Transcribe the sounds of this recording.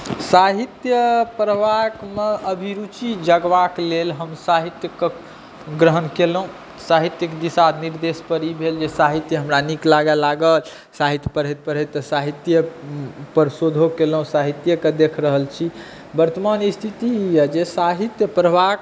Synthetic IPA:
saɦit̪jəpɾəbakmeəbʱiɾut͡ʃid͡ʒəɡʋaklelɦəmsaɦit̪jəkː | ɡɾəɦənkelɦũ | saɦit̪jəkd̪isad̪niɾd̪espəɾibʱeld͡ʒesaɦit̪jəɦəmɾaniklaɡalaɡəl | saɦit̪jəpəɾ̤ɦət̪̚pəɾɦəet̪ːəsaɦit̪jəpəɾsod̪ʱokelɦũsaɦit̪jəked̪ekʰɾəɦəlt͡ʃʰi | bəɾt̪əmanist̪ʰit̪ijəd͡ʒesaɦit̪jəpɾəbʱak

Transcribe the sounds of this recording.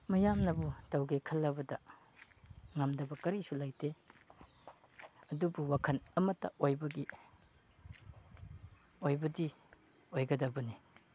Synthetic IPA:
mɐjamnɐbutɐwɡekʰɐlːɐbɐdɐ | ŋɐmdɐbɐkɐɾisulajte | ɐdubuwakʰɐnɐmɐtːɐ̰ojbɐɡi | ojbɐdi | ojɡɐdɐbɐni

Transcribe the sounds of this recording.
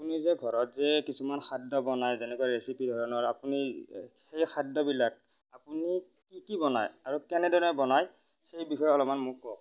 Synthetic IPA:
apunizɛɡʱɔɹɔtzɛkisumanxʰadːɔbɔnajzenɛkuaɹesipidʱɔɹɔnɔapunixejxʰadːɔbilak̚ | apuni | kikibɔna̰jaɹukɛnɛdʱɔɔnɛbɔnaj | xejbixɔjɔɔlɔmanmʊkːɔ

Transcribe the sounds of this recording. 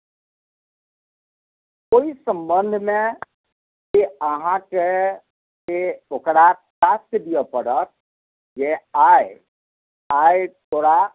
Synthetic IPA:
koːisə̃mbənd̪ʱmẽ | keəɦãke | keokɾatast̪əd̪ijəpəɽət̪̚ | jeae | aːet̪oːɾa

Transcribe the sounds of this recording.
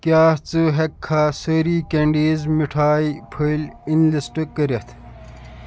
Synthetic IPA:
kjaːt͡sɨɦɐkʰːaːsəɾiːkeɳɖiːzmiʈʰaːipʰəlinlisʈɨkəɾɐt̪ʰ

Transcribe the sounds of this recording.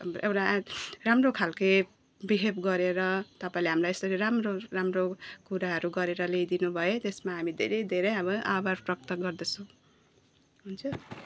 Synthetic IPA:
ewʈaramrokʰalke | biɦebɡʌɾeɾʌt̪ʌpaĩleɦamlajest̪ʌɾiɾamroɾamrokuɾaɦʌɾuɡʌɾeɾʌlejd̪inubʱʌet̪esmaɦamid̪ʱḛɾʌjd̪ʱeɾʌjʌbʌabarprʌkt̪ʌɡʌrd̪ʌt͡sʰʌ̃w̃ | ɦunt͡sʰʌ

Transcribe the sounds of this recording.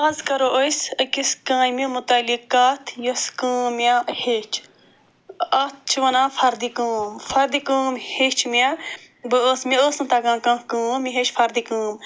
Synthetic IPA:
ɐːzkɐɾoːʔojsɐkiskãːmĩmʊt̪ɐlikaːt̪ʰjoskuːmʲahet͡ʃʰ | ɐt͡ʃʰʋɐnãːfʰɐɾd̪ikuːmfɐɾd̪ikuːmhet͡ʃʰmʲa | bɨoːsmioːsnɨt̪ɐɡãːkãːkuːmiɦet͡ʃfʰɐɾd̪ikuːm

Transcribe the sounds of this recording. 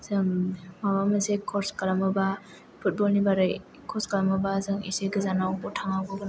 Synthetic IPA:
zɯŋmabamasekʰɔɾskalamɯba | pʰut̚bɔlnibaɾɯj | kʰɔskalamɯbazɯŋiseɡɯzanawbɔtʰaŋaɡɔɡɯn

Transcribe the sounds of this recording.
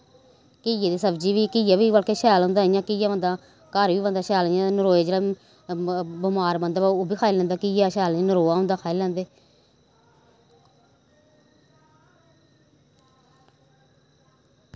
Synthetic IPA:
kɪjed̪eːsəbd͡ʒiːʋiːkɪjaːʋiːʋəlkeːʃɛːlɦõnd̪aːɪjãːkɪjãːʋə̃nd̪aː | kaːɾʋiːbənd̪aːʃɛːljãːnəɾoːed͡ʒeːɽaː | bəmaːɾbənd̪aːbaoːbiːkʰaːilɛ̃nd̪aːkɪjaːʃɛːlãːnəɾoːaːɦʊ̃nd̪aːkʰaːilɛ̃ːnd̪eː

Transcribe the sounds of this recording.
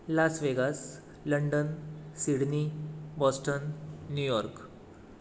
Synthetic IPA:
lasʋeɡas | ləɳɖənsiɽnibɔsʈənːjujɔɾk

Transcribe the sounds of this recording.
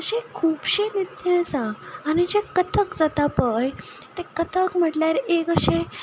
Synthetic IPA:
ɕekʰuːbɕenit̪et͡sãːnid͡ʑekət̪ʰəkd͡zat̪apəj | t̪ekət̪ʰəkm̤əʈljaɾekəɕẽ

